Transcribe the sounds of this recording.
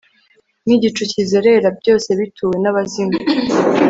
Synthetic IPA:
niɟit͡ʃucizeɾe̞ɾabɟo̞ːse̞βitʰuwe̞naβazima

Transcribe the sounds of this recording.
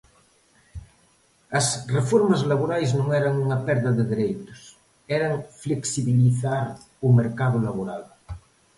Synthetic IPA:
ɐsrefoɾmazlaβoɾajznõŋɛɾaŋuŋapɛɾðɐðeðeɾejt̪ʊ̥s | ɛɾaŋfleksiβiliθaɾ | umeɾkað̞olaβoɾal

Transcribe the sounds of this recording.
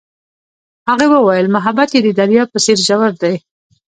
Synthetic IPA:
haɣewəwajəlmʊɦabat̪jed̪əd̪aɾjɑpəseɾʒawaɾd̪aj

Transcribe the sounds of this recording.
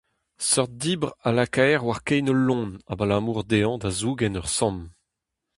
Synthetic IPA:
sɔʁt̪̚d̪iːbʁalakɛjʁwaʁkɛjnɔlːɔ̃nabalaːmuːʁd̪eɑ̃d̪azuɡɛnœʁsɑ̃m

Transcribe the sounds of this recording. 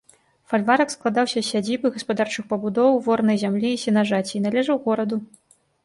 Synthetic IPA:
falʲvaɾɐksklˠad̪awsʲɐsʲad͡zʲibɨɣɐspad̪art͡ʂɨxpɐbud̪ɔwvɔrnɐjzʲamlʲiːsʲinaʐat͡sʲiːnalʲɛʐɐwɣɔɾɐd̪u

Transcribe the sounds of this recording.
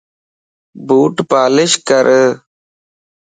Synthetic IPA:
buːʈpaːlɪʃkəɾʔ

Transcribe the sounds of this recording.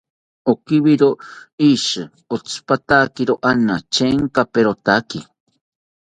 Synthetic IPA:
okiβiɾoiʃɨ | ot͡spat̪akiɾoʔanat͡ʃeŋkapeɾot̪aki

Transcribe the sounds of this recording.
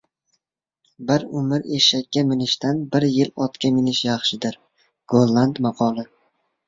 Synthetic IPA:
bɪɾʊmɪɾeʃakʲːamɪnɪʃt̪anbɪɾjɪlɒt̪kʲamɪnɪʃjɑχʃɪd̪ɪɾ | ɡ̥olˠːand̪mɑqʰɒlˠɪ

